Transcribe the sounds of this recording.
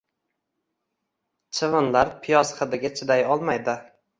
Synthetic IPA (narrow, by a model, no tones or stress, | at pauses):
t͡ʃʰɪvɪnlaɾpʰɪjɒsχɨd̪ɪɡʲat͡ʃʰɪd̪ajɒlˠmajd̪ɪ